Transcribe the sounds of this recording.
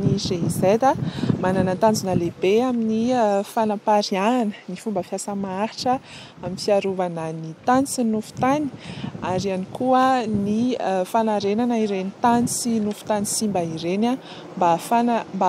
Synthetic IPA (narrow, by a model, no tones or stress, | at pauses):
nizeizejd̪amananant̪and͡zunəlebeaminiəfanapaɾiananənifumbəfiasəmaaɾiʈ͡ʂə | aminfiaɾuvananit̪anit͡sinufu̥t̪ani̥aɾianikʰuəniəfanaɾenanaiɾenit̪ant͡sinufu̥t̪anisimbaiɾena | mbafanamba